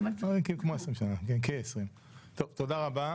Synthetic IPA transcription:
ekikmaesʁimʃanakenkeesʁim | t̪ovt̪od̪aʁaba

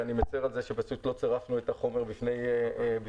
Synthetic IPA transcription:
animet͡seʁalzeʃepaʃut̪lo̞t͡seʁafnuetaχo̞me̞ʁbifne̞jebi

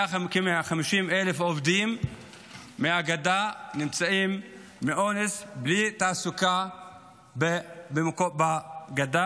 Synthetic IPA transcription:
aakimeaχamiʃimelefovd̪imː | eaɡad̪animt͡saimː | eʔonesblit̪aːsuka | bebemakobaɡad̪a

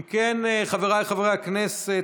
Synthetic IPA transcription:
mkeneχaveʁaleχaveʁejaknese

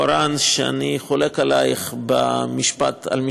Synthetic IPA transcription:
aɾanʃea̰niχolekalajχbamiʃpa̰t̪a̰lmi

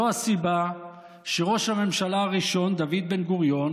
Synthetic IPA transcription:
oasiba | ʃeʁo̞ʃhame̞mʃalaaʁiʃo̞nd̪avid̪̚be̞nɡuʁjo̞n

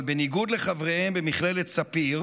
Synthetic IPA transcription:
lbeniɡud̪leχavʁehembemiχle̞let̪sapiʁ

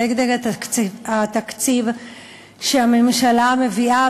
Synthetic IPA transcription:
eɡd̪eʁakat̪akt͡siv | ʃeamemʃalame̞via

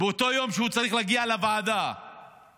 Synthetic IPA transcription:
beot̪o̞jo̞mʃeut͡saʁiχleaɡialavaːd̪a

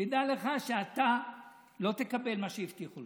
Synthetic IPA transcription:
id̪ale̞χaʃeat̪a | lo̞t̪ekabe̞lmaʃejift̪iχul

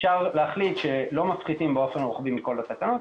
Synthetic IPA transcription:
ʃaʁleaχlit̪ʃelo̞mafχit̪imbeo̞fe̞nʁuχbimiko̞lat̪atanot̪

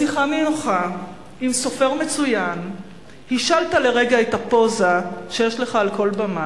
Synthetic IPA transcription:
siχamenoχa | imso̞fe̞ʁme̞t͡sujan | hiʃaltale̞ʁe̞ɡaetapo̞zaʃe̞jeʃle̞χaːlko̞lbama

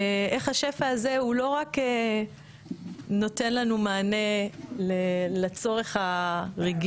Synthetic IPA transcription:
eχaʃe̞faːze̞ulo̞ʁake | no̞te̞nlanumaːne̞lelat͡so̞ʁe̞χaʁiɡ

